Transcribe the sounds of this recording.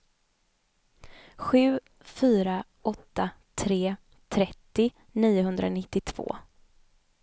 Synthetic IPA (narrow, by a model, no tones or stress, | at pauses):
ɧʉ̟ː | fyːɾa | ɔt̪ːat̪ʰɾeː | t̪ʰɾɛt̪ːɪ | niːʊɦɵnd̪ɾa̰nɪt̪ːɪt̪ʰv̥o̰ː